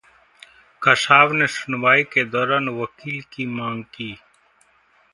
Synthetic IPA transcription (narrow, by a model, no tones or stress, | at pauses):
kɐsaːʋneːʃʊnwaːiked̪ɔːɾaːnwɐkiːlkimãːŋɡkiː